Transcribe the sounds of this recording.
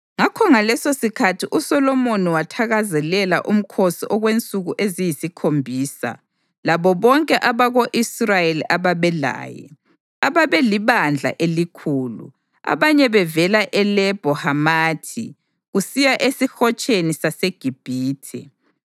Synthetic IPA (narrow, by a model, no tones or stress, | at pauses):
ŋakʰɔŋalɛsosikʰatʰiʔusɔlɔmoniwatʰaɣazɛlɛlaʔum̩kʰosiʔɔɣwent͡sʼuɣuʔezijisikʰombʱiːsa̰ | laβɔβɔŋkʼɛʔaβaɣoʔisrajeliʔaβaβɛla̰ːjɛ̰ | aβaβɛliβand͡ɮʱa̰ʔelikʰuːlṵ | a̰βaɲɛβɛvɛlaʔɛlɛb̥ʱɔhamaːtʰḭ | ɣusijaʔesixɔt͡ʃʼenisaseɡ̥ʱib̥ʱiːtʰɛ̰